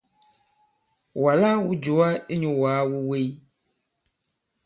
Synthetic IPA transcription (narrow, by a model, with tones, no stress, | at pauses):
wo˨a˨la˦wu˦d͡ʒo˨a˦e˦ɲõ˨wo˨a˦wo˦we˦j